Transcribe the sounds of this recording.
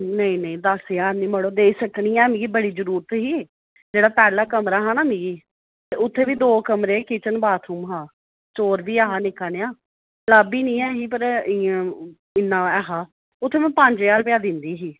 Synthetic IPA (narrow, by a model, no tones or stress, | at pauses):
nəĩːnə̃ĩːd̪əsjaːɾnĩːməɽoːd̪eːsəknĩːɛːmĩːɡiːbəɽiːzəɾuːɾət̪ɦiː | d͡ʒeːɽaːpɛːlaːkəmɾaːɦaːnaːmĩːɡiː | t̪eːʊt̪ʰːeːʋiːd̪oːkəmɾeːkɪt͡ʃənbaːt̪ʰuːmɦãː | t͡ʃoːɾʋiːaːɦaːnɪkaːneãː | ləːbiːnĩːɛːɦiːpəɾɪ̃ | ɪnːãːɛːɦaː | ʊt̪ʰːeːmɛ̃ːpəɲd͡ʒeaːlpɪjaːd̪ɪnd̪iːɦiː